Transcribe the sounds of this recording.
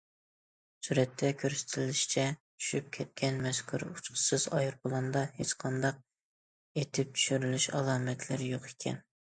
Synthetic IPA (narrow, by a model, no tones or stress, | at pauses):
suɾɛt̪ʰːɛkʲʰøɾsɪ̥t̪ʰɪlɪʃi̥t͡ʃʰɛt͡ʃʰy̥ʃyp̚kʲʰɛt̪̚kʲʰɛnmɛskʲʰuɾut͡ʃqʰə̥sɨzɑjɾbʊlˠɑnd̪ɑhet͡ʃqʰɑnd̪ɑq̚ | et̪ʰɪp̚t͡ʃ̪ʰy̥ʃyɾylyʃɑlˠɑːmɛt̪ʰlɪɾjoqe̥kʲʰɛ̰n